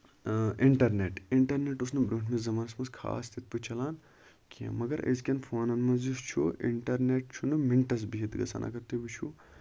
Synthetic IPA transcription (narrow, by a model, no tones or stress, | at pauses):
iɳʈɐɾneːʈiɳʈɐɾneːʈusnɨbɾuːʈʰmẽzɐmaːnsmɐnskʰa̰ːst̪ʰit̪̚pɨt͡ʃʰɐlaːn | kʲimɐɡɐɾɐ̰zkʲɐnfʰoːnɐnmɐzist͡ʃʰuḭɳʈɐɾneːʈ̚t͡ʃʰunɨmiɳʈɐs̬biɦit̪ɡɐsa̰ːnʔa̰ːkɐɾt̪ebit͡ʃʰu